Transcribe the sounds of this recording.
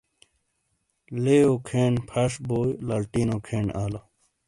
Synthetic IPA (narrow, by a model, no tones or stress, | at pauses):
leːjokʰeːɳpʰɐʂboːjlalʈiːnokʰeːɳaːlo